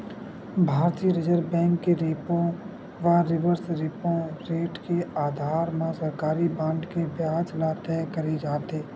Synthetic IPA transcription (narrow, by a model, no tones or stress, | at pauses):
bʱaːɾt̪iːəɾɪd͡ʒəɾbɛ̃ːŋkːeɾeːpõ | ʋaɾɪʋəɾsɾɪːpõɾeːʈkeaːd̪ʱaːɾmãsəɾkaːɾibãːɳɖkebjaːd͡ʒlat̪ɛːkəɾed͡ʒaːt̪eː